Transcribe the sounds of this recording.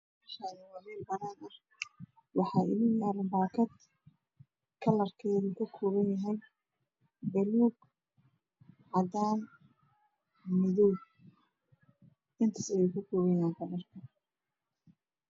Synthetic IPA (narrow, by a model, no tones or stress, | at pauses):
ɐʃaðɪwɑmɛːlbɐnaːnɐh | wɑħɑːɪ̰ðɪŋjaːɾmbaːkʰɐd̪ | kʰɐlɐrkʰɛːðukʰɐkʰɔːβɐnjɐɦɛj | bɛluːɡ | ʕɑd̪aːn | mɪðɔw | ʔɪnt̪ʰɐsɛjɛkʰʊkʰɔːɣɐjaːŋkʰɐlɐrkʰɐ